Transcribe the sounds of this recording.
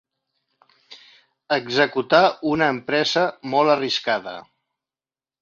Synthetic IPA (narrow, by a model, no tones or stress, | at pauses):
əɡzəkut̪aunəːmpɾɛzəmɔləriskaðə̰